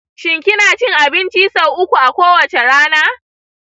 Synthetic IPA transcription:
ʃɪ˨ŋkʲɪ˦naː˨t͡ʃɪ˦ŋʔa˨bɪ˦nt͡ʃi˦sɐ˨wʔʊ˦kʷu˨ʔa˨kʷoː˦wɐ˨t͡ʃe˨ɽaː˦naː˦

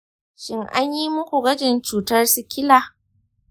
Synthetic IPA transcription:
ʃɪ˦ŋʔa˦ɲji˦mʊ˦kʷu˨ɡɐ˦d͡ʒɪ˨nt͡ʃuː˨tɐ˦rsɪ˦kʲɪ˦laː˨

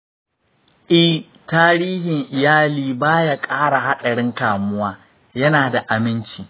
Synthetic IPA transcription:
ʔɪ˦ | taː˦ɽiː˦hɪ˨ŋʔɪ˨jaː˦liː˦baː˦ja˦kʼaː˦ɽa˨ha˦ɗɐ˨ɽɪ˦ŋkaː˨mʊ˦waː˦ | jɐ˦naː˨da˨ʔa˨mɪ˦nt͡ʃiː˨

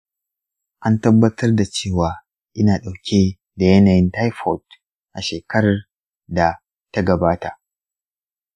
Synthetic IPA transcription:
ʔa˦ntɐ˦bːɐ˦tʰɐ˦rda˨t͡ʃeː˦˨waː˨ | ʔɪ˦naː˨ɗa˨wkʲi˦ | da˨jɐ˦naː˨jɪ˦nta˦jfɔ˨t | ʔa˨ʃeː˨kɐ˦ɽɐ˨r | da˨ | ta˦ɡɐ˨baː˦ta˨ʔ

